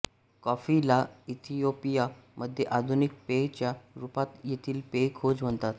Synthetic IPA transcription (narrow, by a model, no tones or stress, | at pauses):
kɔfilait̪ʰijopijaməd̪ʱːjeʔad̪ʱunik̚pejt͡ɕjaɾupat̪jet̪ʰiːlpekʰod͡zʋəɳt̪at̪